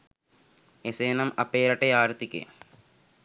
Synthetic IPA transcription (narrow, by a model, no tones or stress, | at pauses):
eseːnɐmɐpeːɾɐʈeaːɾt̪ikḛ